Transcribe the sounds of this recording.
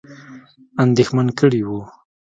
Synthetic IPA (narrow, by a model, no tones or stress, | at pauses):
and̪exmankəɽiwu